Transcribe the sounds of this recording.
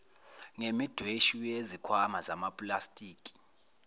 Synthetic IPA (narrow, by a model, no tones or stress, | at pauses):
ŋemid̥ʱweʃujezikʰwamazamapʼlastʼiːkʼi̥